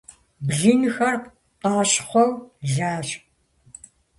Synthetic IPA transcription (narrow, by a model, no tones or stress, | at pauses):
bɮiːnɨxɐr | qɑːɕχʷɔwɮaːɕ